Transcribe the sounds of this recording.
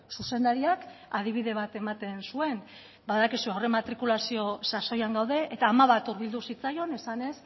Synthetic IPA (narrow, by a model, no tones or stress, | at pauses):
suse̞nd̪aɾiakað̞iβ̞iðe̞β̞at̪e̞mat̪e̞nsue̞n | baðakisuawre̞mat̪ɾikulasio̞saso̞jaŋɡawðe̞ʔet̪aːmaβat̪uɾβild̪usit͡sajo̞ne̞sane̞s